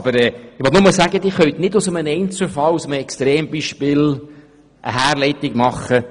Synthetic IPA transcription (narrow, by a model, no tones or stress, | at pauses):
b̥əɾɛːɪʋɔtnʊməsæɡəd̪ɪχœɥt̪nɪdʊsəmənɛɪnt͡səfɑlusəməɛkst̪ɾeːmbiːʃpɪːl | ʔə̰hæːɾlɛɪt̪ɪɡmɑχːə